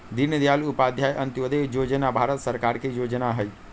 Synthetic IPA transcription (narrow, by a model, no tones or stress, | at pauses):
d̪iɾnəd̪jalupaːd̪ʱjaːjʔənt̪iʋəd̪ejoːd͡ʒənabʱaːɾət̪səɾkaːɾkejoːd͡ʒənaɦəj